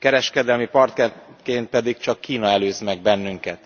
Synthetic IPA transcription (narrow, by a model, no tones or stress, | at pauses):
kɛɾɛʃkɛd̪ɛlmipɒrt̪kɛkeːnt̪̚pɛd̪ikt͡ʃɒkːiːnɒɛløːzmɛɡ̚bɛnːyŋkɛt̪